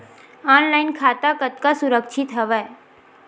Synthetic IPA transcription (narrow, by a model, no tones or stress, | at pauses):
aːnlaɪnkʰaːt̪akət̪kasʊɾəkʃʰɪt̪ɦəʋɛ